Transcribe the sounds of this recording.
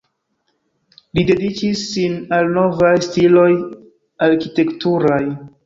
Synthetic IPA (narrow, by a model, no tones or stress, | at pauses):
lide̞dikisːinalno̞vajstilo̞j | aɾkite̞ktuɾaj